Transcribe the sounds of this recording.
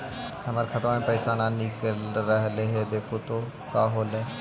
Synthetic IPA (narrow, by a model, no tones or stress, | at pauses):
ɦɐmaːɾexʰɐt̪ɾamẽpəɪsaːnanɪkəlɾɐɦleɦɛd̪eːkʰot̪o | kaːɦoːlɛː